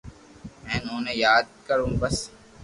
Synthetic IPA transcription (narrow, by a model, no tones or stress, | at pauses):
mɛ̃ːnõːnejaːd̪̚kɐɾũːbɐs